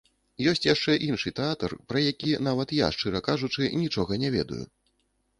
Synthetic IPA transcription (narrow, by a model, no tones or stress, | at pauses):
jɔsʲt͡sʲjaʂt͡ʂɛʔinʂɨt̪ɛat̪ɐrpɾɐjakʲinavɐt̪ja̰ʂt͡ʂɨɾɐkaʐut͡ʂɨnʲit͡ʂɔɣɐnʲɛvʲɛd̪ṵjṵ